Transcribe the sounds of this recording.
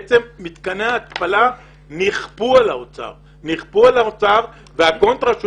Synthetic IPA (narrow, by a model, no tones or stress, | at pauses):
t͡semːit̪kaneaːt̪pala | niχpualaot͡sa̰ʁ | niχpualaot͡saʁ | veako̞nt̪ʁaʃ